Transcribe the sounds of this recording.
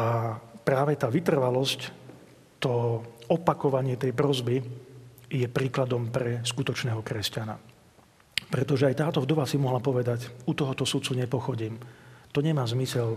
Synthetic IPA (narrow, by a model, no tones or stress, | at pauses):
apɾaːʋɛt̪aːʋit̪r̩ʋalɔsc | t̪ɔɔpakɔʋaɲɪɛt̪ɛjpɾɔzbi | jɛpɾiːklad̪ɔmpɾɛskut̪ɔt͡ʃnɛːɦɔkɾɛscana̰ | pɾɛt̪ɔʒɛajt̪aːt̪ɔvd̪ɔʋasimɔɦlapɔʋɛd̪acut̪ɔɦɔt̪ɔsut̪t͡suɲɛpɔxɔɟiːmt̪ɔɲɛmaːzmisɛl